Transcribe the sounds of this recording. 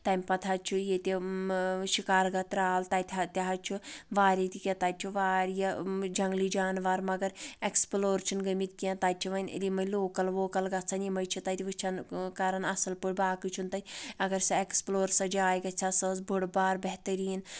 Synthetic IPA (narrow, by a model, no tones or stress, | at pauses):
t̪ɐmʲpɐt̪ʰat͡ʃʰujet̪ʲi | ʃikaːɾɡɐt̪ɾaːlt̪at̪ʲʰt̪ʲaɦɐt͡ʃʰuʋaːɾʲit̪ikʲet̪at͡ʃʲʰuʋaːɾjɐd͡ʒɐŋɡlid͡ʒaːnʋaːɾmɐɡɐɾeksploːɾt͡ʃʰunɡɐmit̪̚kiɐ̃t̪at͡ʃʰiʋɐnḭlimɐloːkɐlʋoːkɐlɡɐt͡sʰɐnjimɐjt͡ʃʰit̪at̪ʲiʋɨt͡ʃʰɐnkaːɾɐnɐsɐlpuɽʲbaːkɨt͡ʃʰunt̪ɐɐɡɐɾsɐeksploːɾsɐd͡ʒaːjɡɐt͡ʃʰasɐsbʱuɽbaːɾbɛɦt̪əɾiːn